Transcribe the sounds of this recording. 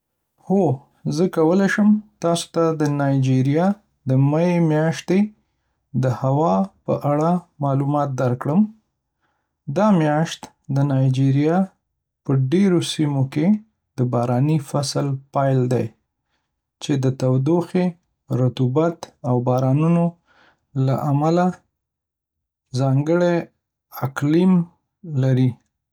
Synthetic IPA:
ho | zəkawəlajʃəmt̪ɑso̥t̪ad̪ənɑjd͡ʒiɾjɑ | d̪əmaemjɑʃt̪e | d̪əhawɑpəʔaɽamɑlumɑt̪̚d̪aɾkɽəm | d̪ɑmjɑʃt̪ | d̪ənɑjd͡ʒiɾijɑ | pəɖeɾosimoke | d̪̥əbɑɾɑnifaslpɑjld̪aj | t͡ʃed̪ət̪awd̪oxe | ɾat̪ubat̪awbɑɾɑnuno | la̰ʔamala | zɑŋɡəɽe | aklim | laɾi

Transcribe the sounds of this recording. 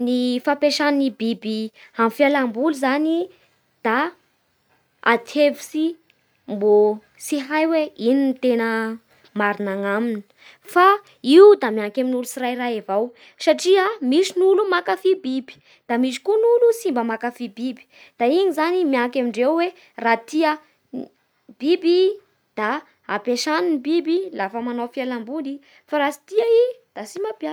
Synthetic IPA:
nifapeʃannibibiamfialambuluzani | d̪̥a | at̪ʰevi̥si | mbo | siɦajweininit̪enə | maɾinaŋamini̥ | fa | iud̪amiaŋkʲaminulusirajɾaevaw | saʈ͡ʂiamisinulumakafibibi̥ | d̪̥amisi̥kunulusimbəmakafibibi̥ | d̪̥aiɲizanimiaŋkʲamiɳɖ͡ʐewwe | rat̪iə | b̥ibi | d̪̥a | apeʃaninibibilafəmanafialambuni | faɾasi̥t̪iaid̪̥asimapja

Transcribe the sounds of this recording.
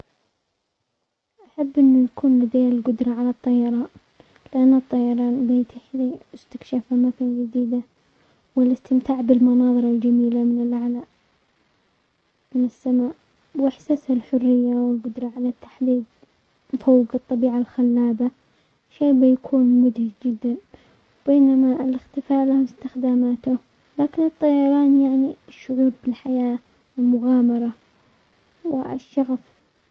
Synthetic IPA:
ʔaħabːʔɪnːujakuːnlɪd̪aːlɡʊd̪ɾˤɑʕalɑt̪ˤːɑjɑɾˤɑːn | lɪʔanːɨt̪ˤːɑjɑɾˤɑːnb̪ajt̪ʰɪħiɪst̪ɪkʃafamafand͡ʒɪd̪iːd̪a | wɪlʔɪst̪ɪmt̪aːʕbɪlmʊnɑːðˤɨɾˤald͡ʒamiːlamɪnɪlʔaʕlaːʔ | mɪnɪsːamaːʔ | wʔɪħsashalħʊrːɪjːawɪlɡʊd̪ɾˤɑʕalat̪ːḁħd̪iːd̪̚ | fawːɡɨt̪ˤːɑbiːʕalxalːaːba | ʃeːbɪjakʰuːnmʊd̪hɪd͡ʒd͡ʒɪd̪ːan | wbeːnamaɪlɪxt̪ɪfaːʔlahmʊst̪ɪxd̪aːmaːt̪ʊ | laːkɪnɨt̪ˤːɑjɑɾˤɑːnjaʕniʃːʊʕuːbbɪlħajaː | wɪlmʊɣaːmɑɾˤɑ | wɪ̰ʃːɑɣf

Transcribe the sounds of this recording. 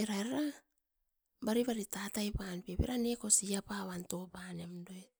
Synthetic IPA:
eɾaɾɾa | baɾiβaɾitatajpanpebe̞̰ɾane̞ko̞siapaβanto̞pane̞mdoe

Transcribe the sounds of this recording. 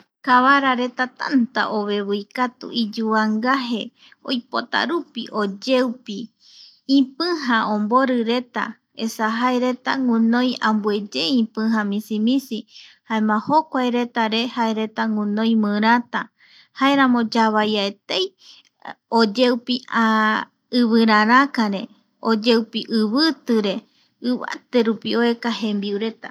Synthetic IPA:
kaβaɾaɾe̞t̪at̪a̰nt̪a̰ʔoβe̞βɨjkat̪ṵʔid͡ʒuaŋɡaɦe̞ | o̰jpo̞t̪a̰ɾupiʔo̞d͡ʒeupi | ĩpɨ̃ɦãõmboɾɨɾe̞t̪a̰ | esaɦaeɾe̞t̪aŋũnõj̃ãmbue̞d͡ʒeĩpɨ̃ɦãmĩsimĩsihaẽmãhokʷajɾe̞t̪aɾe̞haeɾe̞t̪aŋũnõj̃mɨ̃ɾ̃at̪a | haeɾãmõd͡ʒaβajaet̪ej | od͡ʒewpia | ɨβɨɾãɾãkaɾe̞ | od͡ʒewpiʔɨβɨt̪ɨɾe̞ | ɨβa̰t̪e̞ɾupioe̞kahẽmbiuɾe̞t̪a

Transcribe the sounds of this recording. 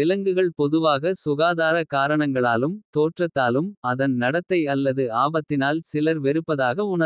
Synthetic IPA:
ɪlɐŋɡɯɣɐɭpɔðɯʋaːɣɐsʊɣaːðaːɾɐkaːɾɐɳɐŋɡɐɭaːlɯmt̪oːʈrɐt̪ːaːlɯmɐðɐnnɐɽɐt̪ːɐɪɐlːɐðɯaːbɐt̪ːɪnaːlsɪlɐɾʋɛɾɯpːɐðaːɣɐʊɳɐ

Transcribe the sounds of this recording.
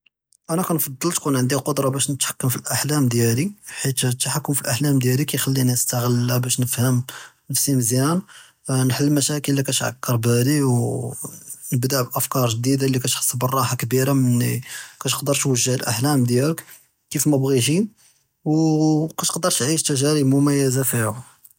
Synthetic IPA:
ʔænækænfɑd̪ˤːəlt̪kunʕənd̪iqod̪ɾˤɑbæʃnət̪ħḁkːəmfilʔaħlæmd̪jæliħit̪t̪ːaħakːəmfilʔaħlæmd̪jælikæjxælːinəst̪aɣəlæbæʃnəfhəm | nəfsiməzjæn | nħəlːmæʃækəlːikæʃʕa̰kːəɾˤbæliw | nəbd̪aʕbʔəfkɑɾˤʒd̪id̪alikæt̪ħə̥sˤːbərˤːɑħakbiɾamənːikæʃqd̪əɾˤt̪wəʒːəhəlʔa̰ħlæmd̪jælək | kifmæbɣiʃ̬i | wkætqd̪əɾˤt̪ʕiʃt̪ʒæɾibmʊmæjːəzafihu

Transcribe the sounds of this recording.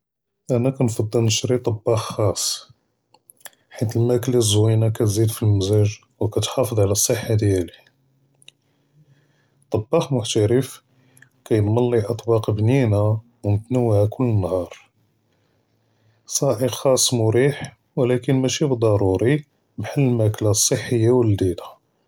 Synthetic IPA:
ʔænækɑnfɑd̪ˤːəlnəʃɾit̪ˤɑbːɑxxɑsˤː | ħit̪əlmæklæzwinækæt̪zid̪filmæzæʒ | wkæt̪ħɑfəd̪ˤʕlæsˤːəħːad̪jæli | t̪ˤɑbːɑxmʊħt̪əɾəf | kæjəbmɑlːiʔɑt̪ˤbɑqbnina | wmət̪nəwhækʊlːənːhɑɾˤ | sˤɑʕəqxɑsˤːmʊɾiħ | wlækənmæʃibəd̪ˤɑɾˤuɾi | bħəlːəlmæklasˤːəħːəjːawəld̪id̪ḁ

